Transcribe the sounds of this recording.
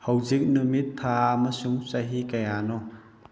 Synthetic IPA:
hɐwzik̚numit̪ʰːaɐmɐsuŋsɐɦikɐjanɔ

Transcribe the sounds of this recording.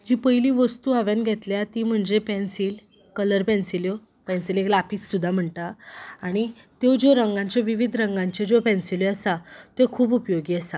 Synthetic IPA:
d͡ʑipəjliːʋəst̪uːaʋjanɡʱɛt̪ljat̪im̤əɳd͡zepɛ̃nsiːl | kələɾpɛ̃nsiljo | pɛ̃nsileklapiːsːud̪ʱːam̤əɳʈ̪aaɽ̃i | t̪od͡zoɾəŋɡãɲt͡ɕaʋiʋid̪ʱɾə̃ŋɡãɲt͡ɕed͡zopɛ̃nsiloəsat̪ekʰuːbupjoɡiːəsa

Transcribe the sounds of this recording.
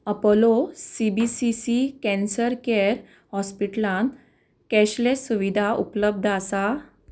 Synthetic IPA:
əpolosibisisikɛ̃nsəɾkɛɾ | hɔspiʈlãn | kɛɕlesuʋid̪ʱaṵpələb̚d̪ʱasa

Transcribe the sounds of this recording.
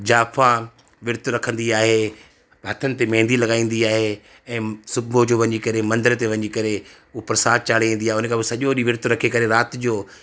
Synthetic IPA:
d͡ʑaːfã | ʋɪɾt̪ɾɐkʰə̃nd̪iaːɦe | ɦɐt̪ʰənɪ̆t̪emɛ̃ːn̆d̪ilɐɠaːĩːn̆d̪iaːɦe | ɛ̃ːsʊbod͡ʑoːʋɐɲikɐɾemɐ̃nd̪əɾt̪eʋɐ̃ɲikɐɾe | upɾɐsaːt̪̚t͡ɕaːɽ̤iʋĩːnd̪iaːɦeʊnəkʰãːbɪsɐʄoɗiʋɪɾt̪ʊɾɐkʰekɐɾeɾaːt̪d͡ʑoː

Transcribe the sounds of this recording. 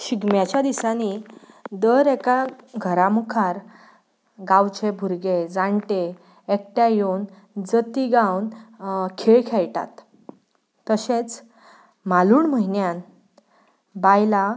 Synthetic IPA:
ɕiɡmjat͡ɕjad̪isani | d̪əɾekaɡʱəɾamukʰaɾ | ɡawt͡ɕebʱuɾɡed͡zaɳʈe | ek̚ʈjajon | d͡zət̪iɡawnkʰeɭkʰeɭʈa̰t̪ː | əɕet͡s | maluːɳməɦinjan | bajla

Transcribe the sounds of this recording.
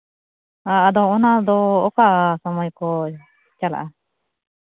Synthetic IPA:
aːd̪ɔɔnad̪ɔːkaʔsamɔjkɔ | t͡ʃala̰ʔa

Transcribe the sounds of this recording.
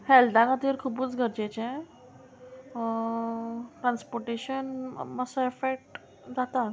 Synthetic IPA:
hɛldãŋɡat̪iɾkʰubuːt͡sɡʱəɾd͡ʑet͡ɕẽ | ʈɾanspoɾʈeɕənməsəefek̚ʈ | d͡zat̪a

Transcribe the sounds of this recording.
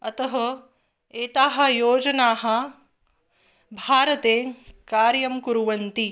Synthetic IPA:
ɐt̪ɐɦɐ | eːt̪aːɦɐ̆joːd͡ʒɐnaːɦɐ̆ | bʱaːɾɐt̪eːkaːɾjɐmkuɾuʋɐnt̪i

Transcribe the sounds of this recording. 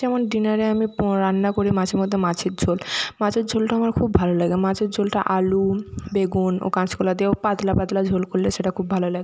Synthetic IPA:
ɛmonɖinaɾeamiɾanːakoɾimat͡ɕʰeɾmod̪ʱːemat͡ɕʰeɾd͡ʑʱolmãt͡ɕʰeɾd͡ʑʱolʈaamaɾkʰubbʱalolaɡemãt͡ɕʰeɾd͡ʑʱolʈa̰ʔalubeɡuno̰kãt͡ɕʰkolad̪iopat̪lapat̪lad͡ʑʱolkolleʃeʈakʰubʱalolaɡe

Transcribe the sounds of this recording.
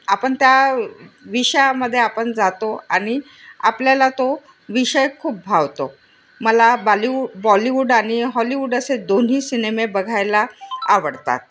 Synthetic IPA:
apəɳt̪ja | ʋiɕjaməd̪ʱːjeapəɳd͡zat̪oa̰ɽ̃i | apljalat̪o | ʋiɕəjkʰuːp̚bʱaʋt̪o | məlablibɔliʋuɖañiɦɔliʋuɖəsed̪onɦiːsinemebəɡʱajlaaʋəɽt̪a̰t̪̚

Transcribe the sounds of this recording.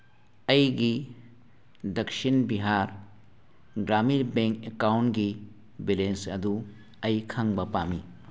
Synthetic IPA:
ɐjɡi | d̪ɐkʃinbiɦaːɾ | ɡɾaːmiɾbeŋkekawnɡi | bilensɐd̪u | ɐjkʰɐ̃ŋbɐpaːmi

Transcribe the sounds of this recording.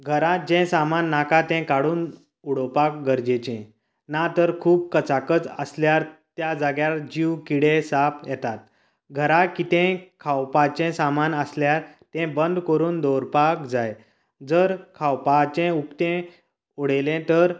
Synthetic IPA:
ɡʱəɾat̪̚d͡ʑɛ̃samanːakat̪ɛ̃kaɽuːn | uɽɔpak̚ɡəɾd͡ʑet͡ɕɛ̃ | nat̪əɾkʰuːb̚kət͡sakət͡sə̰sljaɾt̪jad͡zaɡjald͡ʑiwkiɽesapjɛt̪at̪ | ɡʱəɾakit̪ɛ̃kʰawpat͡ɕɛ̃samanəsljaɾt̪ɛ̃bənd̪kəɾuːnd̪ɔɾpakd͡zaj | d͡zəɾkʰawpat͡ɕɛ̃ukt̪ɛ̃ | uɽelɛ̃t̪əɾ

